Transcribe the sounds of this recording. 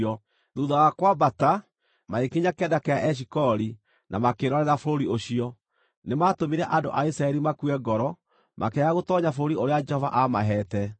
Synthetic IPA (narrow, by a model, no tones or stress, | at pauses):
ɔ | ðuðaɣakwabata | maekeɲakɛdakɛaʔɛɕ̬ikɔɾi | namakeɾɔɾɛɾafoɾoɾioɕiɔ | nematomiɾɛʔado̰ʔaisɾaɛɾimakuɛɡɔɾɔ | mʔa̰kɛjaɣotɔɲafoɾoɾioɾead͡ʒɛhɔva̰ʔamaɦɛtɛ